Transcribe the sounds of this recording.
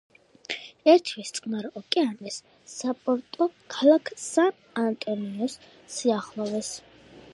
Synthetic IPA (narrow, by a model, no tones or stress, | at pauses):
ɛɾt̪ʰwist̪sʼqʼmaɾʼɔkʼɛamɛsː | apʼɔɾt̪ʼɔkʰalakʰsan | ant̪ʼɔniɔsː | iaχlˠɔvɛs